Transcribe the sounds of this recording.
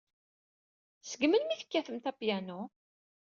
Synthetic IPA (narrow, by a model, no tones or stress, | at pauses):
səɡmənmiθə̥kːæθəmt̪æpjæno